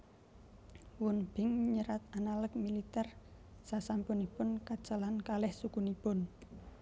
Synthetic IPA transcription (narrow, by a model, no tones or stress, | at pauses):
wʊnb̥ɪŋɲəɾat̪analək̚milit̪ɛr | sasampʊnipʊnkad̥ʒ̥a̤lankalɛhsukunipʊn